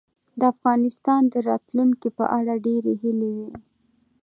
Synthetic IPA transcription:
d̪əafɣɑnɪst̪ɑnd̪əɾɑt̪luŋkipə̰ʔaɽaɖeɾeɦilewi

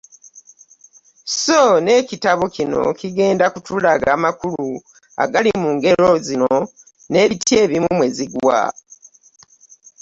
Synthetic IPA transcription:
sone̞citaβocino̞̰kiɡe̞ːndakutulaɡaːmakulu | a̰ɡalimuːŋɡe̞ɾo̞zino | ne̞ːβitje̞ːβimumwe̞ziɡwa̰

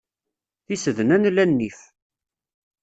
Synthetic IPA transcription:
θisəðnænlːænːif

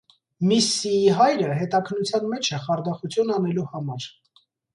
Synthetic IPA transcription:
misːiiɦɑjɾəɦɛt̪ɑkʰənːut͡sʰjɑnmɛt͡ʃʰɛχɑɾd̪ɑχut͡sʰjunɑnɛluhɑmɑɾ

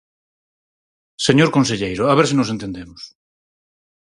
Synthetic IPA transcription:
seɲoɾkonseʎejɾʊaβeɾsinosent̪end̪emʊs

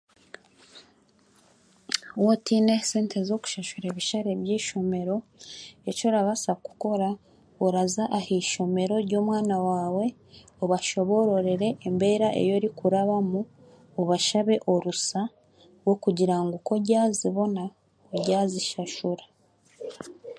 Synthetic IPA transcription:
wotineseːnte̞zo̞ku̥ʃaʃuɾeːβiʃaɾeβjiːʃo̞me̞ɾo̞eco̞ɾaβasaku̥ko̞ɾa | oɾazaʔahiʃo̞me̞ɾo̞ɾɟo̞ːmwaːnawaːwe̞ | oβaʃo̞βo̞ɾo̞ɾe̞ɾe̞ʔːmbe̞ːɾaʔe̞̰jo̞ɾikuɾaβamu | oβaʃaβe̞ʔo̞ɾusa | wo̞kuɟiɾaŋɡuko̞ɟaːziβo̞na | oɟaːziʃaʃuɾa

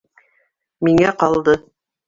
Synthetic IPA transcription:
miŋæqɑlˠd̪ɤ

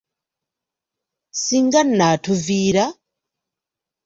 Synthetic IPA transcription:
siŋɡanatʰuviːɾa

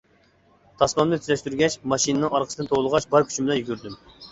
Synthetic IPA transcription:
t̪ʰɑsmɑmnɨt̪ʰyzɛʃt̪yɾɡʲɛt͡ʃmɑʃinɨnɨŋɑɾqʰəsəd̪ɨnt̪ʰolˠəʁɑʃbɑɾkʲʰy̥t͡ʃʰibɪlɛnjyɡʲyɾd̪ym

